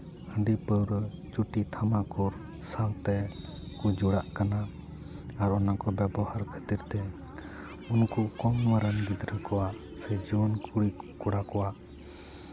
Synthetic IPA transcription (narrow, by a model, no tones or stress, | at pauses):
həɳɖipəwɾt͡ʃuʈit̪ʰamakuɾ | salt̪ɛ | kud͡ʒɔɽaʔkana | aɾɔnakɔbɛbɔhaɾkʰə̥t̪iɾt̪ɛ | unkukɔmwaɾənɡid̪ɾəkɔwaʔ | sɛd͡ʒiwɔnkuɽikuɽakɔwaʔ